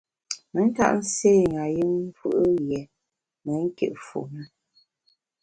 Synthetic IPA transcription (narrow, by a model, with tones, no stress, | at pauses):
mə˨˦n̩˦ta̰˦ʔn̩˦seː˦˨ŋa˨ji˦ŋ̩˦fɨ̰˦ʔɨ˦jɛ˨ | mə˨˦ŋ̩˦kḛ˦˨ʔfṵ˨nə˦